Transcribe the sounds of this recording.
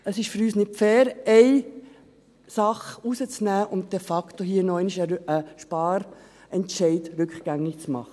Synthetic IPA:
əsɪʃfʏɾyːsnɪt̚fɛːɾɛɪ | sɑχusət͡snæːʔʊnt̚d̥ɛfɑktoɦiːənɔɛɪniʃəəʃpɑːɾ | ɛntʃɛɪtɾʏkχɡ̥æŋːɪkt͡smɑ̰χə

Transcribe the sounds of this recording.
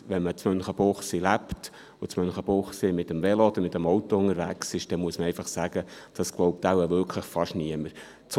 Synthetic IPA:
ʋɛnmət͡smœnχəb̥oχsilæpt | ʊt͡smœnχəb̥ʊχsimɪt̪əmvɛloɔd̪əɾmɪt̪ːəmɔwtɔʊŋəɾvæksɪʃd̥ɛmuəsməɛɪfɑχsæɡ̥əd̥ɑsɡ̥loʊp̚t̪æwəvʏɾkʰləχfɑʃniəməɾ | t͡s

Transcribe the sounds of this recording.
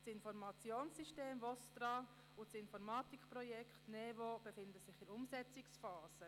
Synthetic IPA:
sɪnfɔɾmɑt͡sjoːnsiʃteːmvɔstɾɑ | ʊsɪnfɔɾmɑːtikpɾɔjɛkχtnɛvob̥ɛfɪndəsɪχɪɾʊmsɛt͡sɪksfaːsə

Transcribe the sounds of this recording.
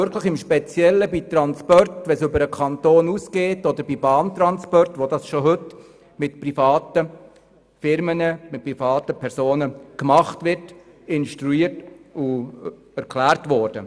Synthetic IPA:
ʏɾkʰləχɪmʃpɛt͡sjɛlːəbit̪ɾɑnspɔrtʋɛnsɵbəɾəkʰɑntoːnuːsɡ̥eːtɔd̪əɾbibɑːnt̪ɾɑnspɔrtʋodɑsʃoɦɵt | mɪtprifɑːtə | fɪɾmənəmɪt̚pɾifɑːtəpʰɛɾsoːnəkmɑχtʋɪɾt | ɪnʃtɾuiːrtʊ | æɾkʰlæːɾtʋɔːɾd̥ə

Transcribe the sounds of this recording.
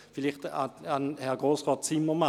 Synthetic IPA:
filiχtaanhɛɐɡ̥ʁoːsʁoːt̚t͡sɪmːəma

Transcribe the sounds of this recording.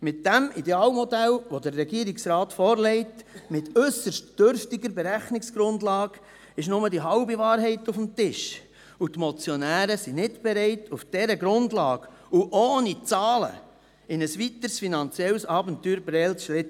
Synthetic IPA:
mɪt̚dæmideɑːlmɔdælʋodəːɛɡiəɾiksɾɑːtfɔːɾlɛɪtmɪtʏsəʃtd̥øɾftɪɡəɾbɛɾæχnɪksɡ̥ɾʊndlɑːɡ̥ | ɪʃnʊmədiɦɑʊbiʋɑːɾɦɛɪtʊfm̩tɪʃ | utmɔt͡sjonæːɾəsinɪtb̥ɛɾɛɪtʰufd̥ɛɾəɡɾʊndlɑ̰ːɡ | uʔoːnit͡sɑːlə̰ | ɪnəsʋit̪əɾsfinɑnt͡sjɛlsɑːbəntyːɾbɾɛlsʃɾɪt

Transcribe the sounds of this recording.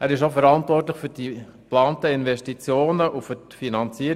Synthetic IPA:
æːɾɪʃ̬ofɛɾɑntʋɔrtləxfyd̥i | plɑːntəɪnvɛʃtit͡sjoːnəʔufʏtfinɑnt͡siəɾ

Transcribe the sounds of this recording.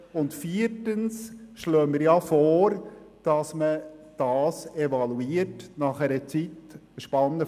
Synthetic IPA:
ʊntfiːətənsʃløːmiɾjɑfɔːɾ | d̥ɑsməd̥ɑːsevɑluiːəɾtnɑχɛɾət͡sit | ʃpɑnːə

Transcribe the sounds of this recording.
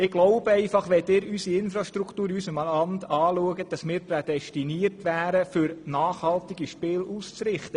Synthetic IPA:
ɪɡ̥loʊb̥əɛɪfɑχʋɛt̪ɪːɾysiɪnfɾɑʃtɾukt̪uːɾysəmɑlɑmt̪ɑːluəɡəd̥ɑsmɪːɾpɾɛd̥̪ɛʃtiniərtʋæːɾəfʏɾnɑːχhɑlt̪ɪɡiʃpɪːlust͡sɾɪχt̪ə

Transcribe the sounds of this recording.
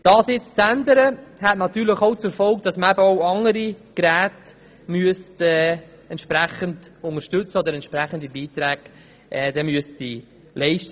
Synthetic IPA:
d̥ɑːsjɪt͡st͡sændəɾəhɛtnɑt̪yːɾlɪχoʊt͡suɾfɔlk̚d̥ɑsməæbəoʊɑŋəɾiɡ̥ɾæːt | myəstɛː | ɛntʃpɾæχəndʊŋəʃtʏt͡səod̪əɾɛntʃpɾæχən̩dibiːt̪ɾæːɡ̥ | ɛːd̥ɛmyəsi | lɛɪʃtə

